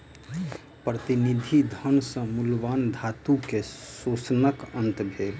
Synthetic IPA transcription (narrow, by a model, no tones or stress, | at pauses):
pɾət̪inid̪ʱid̪ʱənsə̃mulʋand̪ʱat̪ukesosnəkənt̪bʱel